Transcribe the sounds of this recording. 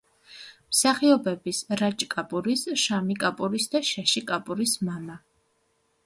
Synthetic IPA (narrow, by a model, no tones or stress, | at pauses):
msaχiɔbɛbisɾat͡ʃʼkʼapʼuɾisʃamikʼapʼuɾisd̪aʃaʃikʼapʼuɾismama